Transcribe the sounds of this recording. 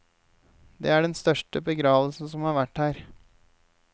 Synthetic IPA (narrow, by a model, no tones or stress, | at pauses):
d̪eːæɖɛnst̪œʂʈəbəɡɾɑːʋəlsn̩sɔmhɑːɾʋæʈhæːɾ